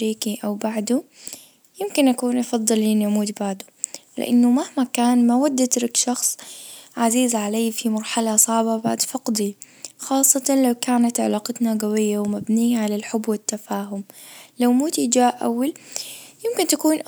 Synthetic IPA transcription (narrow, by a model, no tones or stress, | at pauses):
ɾiːkiʔawbaʕd̪u | jɪmkɪnʔakuːnʔɑfɑd̪ˤːɨlʔɪnːiʔamuːt̪baʕd̪ʊlɪ̰ʔanːʊmahmakaːnmawad̪ːat̪ɾɪkʃɑxsˤʕaziːzʕalajːfimɑɾˤħalasˤɑʕbabaʕd̪fɑqd̪i | xɑːsˤːɑt̪ɑnlawkaːnat̪ʕɪ̰lɑːqɑt̪naɡawɪjːawmabniːaʕalalħʊbːwɪt̪ːafaːɦʊmlawmuːt̪id͡ʒaːʔʔa̰wːaljɪmkɪnt̪akuːn